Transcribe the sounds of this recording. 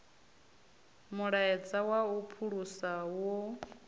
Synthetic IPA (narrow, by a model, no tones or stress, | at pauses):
muɺaɛd͡zawaupʰuɺusawo